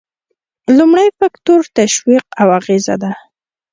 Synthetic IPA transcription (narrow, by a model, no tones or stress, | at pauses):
lumɽajfakt̪oɾt̪aʃwiqawaɣeza̰d̪a